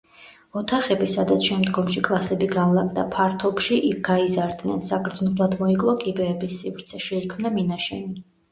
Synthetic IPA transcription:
ɔt̪ʰaχɛbisad̪at̪sʰʃɛmd̪ɡɔmʃikʼlˠasɛbiɡalˠakʼd̪apʰaɾt̪ʰɔpʃiʔiɡ̥aizaɾd̪nɛnsakɾd̪znɔvlˠad̪mɔikʼlˠakʼibɛːbisːivɾt̪sʰɛʃɛikʰmnaminaʃɛni

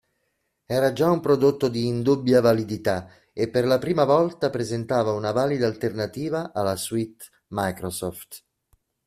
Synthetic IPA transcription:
ɛːɾad͡ʒaumpɾod̪ot̪ːod̪iːnd̪ubːjavalid̪it̪a | epːerlapɾiːmavɔlt̪apɾezent̪aːvaunavaːlid̪alt̪ernat̪iːvaʔalaswit̪ | majkɾɔsɔft̪

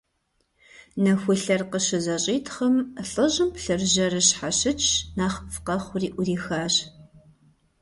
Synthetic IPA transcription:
nɐxʷʊɬɐrqəʃɨzɐɕʼiːtʰχɐmɬʼɨʑɨmpɬɨrʒɐrɨɕħaʃɨt͡ʃʰnaːχfqɐχʷʊriːʔʷʊriːxaːɕ

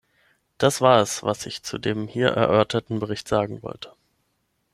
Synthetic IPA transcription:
d̥asv̥aːɐɛsvasɪçt͡sṵdeːmhiːɐʔɛ̰ɐʔœɐtʰɐtn̩bəʁ̞ɪçtz̥aːɡŋ̩vɔ̰ltʰə̥

